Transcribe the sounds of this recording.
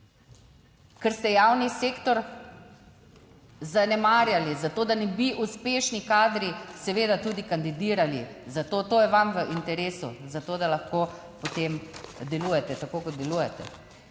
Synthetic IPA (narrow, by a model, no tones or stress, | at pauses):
kəɾst̪ɛjawniseːkt̪ɔɾ | zanɛmaːɾjalizat̪oːd̪anɛbiʔuspeːʃnikaːd̪ɾisɛʋeːd̪at̪uːd̪ikand̪id̪iːɾalḭ | zat̪oːt̪oːjɛʋamʋəʔint̪ɛɾeːsṵzat̪oːd̪alaxkoː | pot̪emd̪ɛluːjɛt̪ɛt̪akoːkɔt̪̚d̪ɛluːjɛt̪ɛ̰